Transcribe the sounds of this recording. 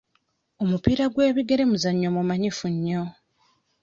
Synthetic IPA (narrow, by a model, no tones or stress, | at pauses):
omupiːɾaɡwe̞ːβiɡe̞ɾe̞muzaɲːomumaɲifuɲːo̞